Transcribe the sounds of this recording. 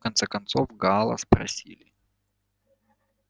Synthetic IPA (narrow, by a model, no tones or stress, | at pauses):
kɐnt̪sɛkɐnt̪sovɡalˠə̰spɾɐ̰sʲilʲɪ